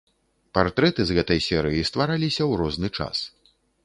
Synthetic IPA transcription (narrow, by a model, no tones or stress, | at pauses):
part̪ɾɛt̪ɨzɣɛt̪ɐjsʲɛɾɨjist̪vaɾalʲisʲɐwɾɔznɨt͡ʂa̰s